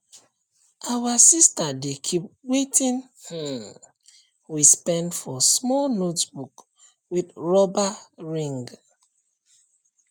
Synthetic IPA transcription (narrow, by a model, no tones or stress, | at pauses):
ʔawasistadekʰip̚wetʰĩn | h̩ | wispɛ̃ndfɔsmɔlnotbuk | widɹɔbaɹĩŋɡ